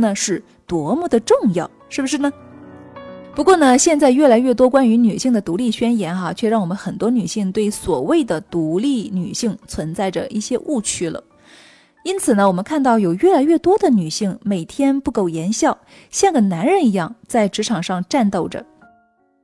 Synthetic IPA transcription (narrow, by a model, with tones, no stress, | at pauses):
nə˧ʂɻ̩˥˩ | t̪wɔ˧˥mu˥˩d̪ə˩ʈ͡ʂʊ˥˧ŋjɑ˥˩ʊʂɻ̩˥˩bə˩ʂɻ̩˥˩nə˩ | pu˧˥kwɔ˥˩nə˩ɕjɛ˥˧nt͡sa˥˧ɪɥɛ˥˩la˧˥ɪɥɛ˥˩t̪̬wɔ˥kwa˥ny˧˥ny˨˩ɕi˥˩ŋd̪ə˩t̪u˧˥li˥˩ɕɥɛ˥njɛ˧˥nxa˧t͡ɕʰɥɛ˥˧ɻɑ˥˩ŋwɔ˨˩mə˦nxə˨˩nt̪wɔ˥ny˨˩ɕi˥˧ŋt̪we˥˩ɪswɔ˨˩we˥˩ɪd̪ə˩t̪u˧˥li˥˩ny˨˩ɕi˥˩ŋt͡sʰwə˧˥nt͡sa˥˩ɪʈ͡ʂə˩ʔi˥˩ɕjɛ˥ʔu˥˩t͡ɕʰy˥lə̰˨ | i˥nt͡sʰɹ̩˨˩nə˦wɔ˨˩mə˦nkʰa˥˧nt̪ɑ˥˩ʊjo˨˩ʊɥɛ˥˩la˧˥ɪɥɛ˥˩t̪wɔ˥d̪ə˨ny˨˩ɕi˥˩ŋme˨˩ɪt̪ʰjɛ˥npu˥˧ko˥˩ʊjɛ˧˥nɕjɑ˥˩ʊ | ɕjɛ˥˩nɡə˩na˧˥nɻə˧˥ni˧˥jɑ˥˧ŋt͡sa˥˩ɪʈ͡ʂɻ̩˧˥ʈ͡ʂʰɑ˨˩ŋʂɑ˥˧ŋʈ͡ʂa˥˧nt̪o˥˩ʊʈ͡ʂə̰˩